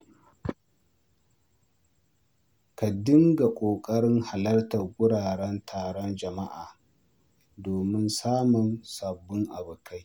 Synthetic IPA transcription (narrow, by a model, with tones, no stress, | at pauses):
ka˨dɪ˦ŋɡa˨kʷʼoː˨kʼɐ˦ɽɪ˦ŋha˨lɐ˦rtɐ˨rɡʷʊ˦ɽaː˨ɽɛ˦ntʰaː˨ɽɔ˦nd͡ʒɐ˨ma˦ʔaː˨ | doː˨mɪ˦nsaː˦mʊ˨nsɐ˨bːʊ˦ŋʔa˨bʊ˨kʰa˦j